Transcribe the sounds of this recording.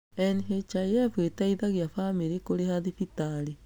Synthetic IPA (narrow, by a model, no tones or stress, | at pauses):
ɛnɦet͡ʃajɛfwetaiðaɣjafamiɾekoɾehaðifitaɾi